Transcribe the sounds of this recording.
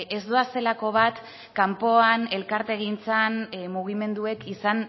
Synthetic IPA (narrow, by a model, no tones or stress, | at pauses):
e̞zd̪oase̞lako̞βat̪ | kampo̞ane̞lkaɾt̪e̞ɣint͡sanmuɣ̞ime̞nd̪ue̞kisan